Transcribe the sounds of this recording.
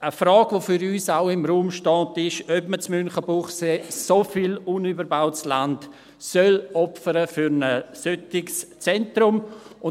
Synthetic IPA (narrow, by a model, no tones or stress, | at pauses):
əfɾɑːɡʋofʏɾyːsaʊɪmɾuːmʃtɑːntɪʃœpmət͡smynχəbuχseːsofilunybəɾbaʊtslant | sœlɔpfəɾəfyɾnəsøtɪkst͡sɛntɾʊmʊ